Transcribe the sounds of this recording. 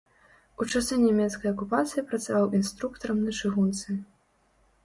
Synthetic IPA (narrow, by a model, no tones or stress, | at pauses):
ut͡ʂasɛnʲɛmʲɛt̪skɐjɐkupat̪sɨjipɾɐt̪savawʔinst̪ɾukt̪ɐɾɐmnɐt͡ʂɨɣunt̪sɨ